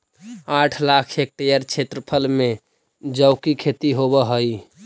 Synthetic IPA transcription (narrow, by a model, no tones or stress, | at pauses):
aʈʰlakʰek̚ʈejəɾt͡ʃʰet̪ɾəpʰəlme | d͡ʒəʊkikʰet̪iɦobəɦəj